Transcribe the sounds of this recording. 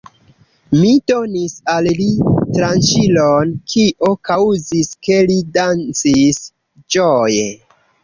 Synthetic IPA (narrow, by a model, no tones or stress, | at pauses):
mido̞nisallitɾant͡ʃilonkʰiʔo̞kauziske̞lidant͡sis | d͡ʒoje